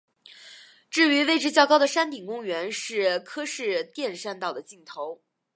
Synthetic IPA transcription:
ʈ͡ʂɻ̩˥˩y˧˥we˥˧ɪʈ͡ʂɻ̩˥t͡ɕjɑ˥˩˧kɑ˥ʊd̪ə˨ʂa˥nt̪i˨˩ŋkʊ˥ŋɥɛ˧˥nʂɻ̩˥˩kʰɤ˥ʂɻ̩˥˧t̪jɛ˥˧nʂa˥˧nt̪ɑ˥˩ʊd̪ə˩t͡ɕi˥˩ŋt̪ʰo˧˥ʊ

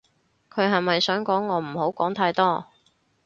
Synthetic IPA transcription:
kʰɵ˨˧˥ɦɐ˨jmɐ˨jsœː˨˥ŋkɔː˨˥ŋːɔː˨˧m̩˨˩ho˨˥wkɔː˨˥ŋt̪ʰaː˧jt̪ɔː˥

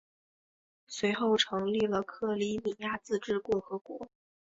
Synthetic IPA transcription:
swe˧˥ɪxo˥˩ʊʈ͡ʂʰɤ˧˥ŋli˥˩lə˩kʰɤ˥˩li˧˥mi˨˩ja˥˧t͡sɹ̩˥˧ʈ͡ʂɻ̩˥˧kʊ˥˩ŋxɤ˧˥kwɔ̰˧˥

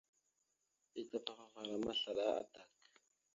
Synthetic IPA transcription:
i˦t͡sa˦pa˦˨xa˨fa˨ɾa˨ma˦ɬa˨ɗa˦a̰˦ta˨k

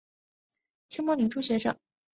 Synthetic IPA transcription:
t͡ɕʰi˥ŋmɑ˥li˨˥ʈ͡ʂʰu˥ɕɥɛ˧˥ʂɤ̰˨˩˦ŋ

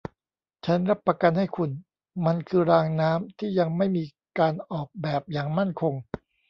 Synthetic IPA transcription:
t͡ɕʰa˦˥nɾa˦˥pːɾa˧ka˧nha˥˩jkʰu˧n | ma˧nkʰɯː˧ɾaː˧ŋnaː˦˥mt̪ʰiː˥˩ja˧ŋma˥˩jmiː˧ | kaː˧nʔɔː˨˩k̚bɛː˨˩p̚jaː˨˩ŋma˥˩nkʰo˧ŋ

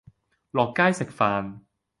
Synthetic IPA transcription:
lɔː˨˩kːaː˥jsɪ˨˩k̚faː˨˧n

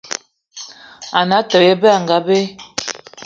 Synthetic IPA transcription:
a˨na˨˦tə˨je˦bɛ˦a˨ŋɡa˨˦be˦

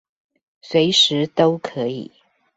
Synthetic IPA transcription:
swe˨˦ɪʂɻ̩˧˦t̪o˥ʊkʰɤ˧˦ḭ˨˩˦

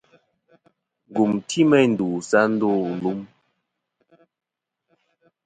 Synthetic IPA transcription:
ŋ˨ɡu˨mtʰi˦mɛ˦˨n̩˨du˨sa˦n̩˦do˦˨lu˦m

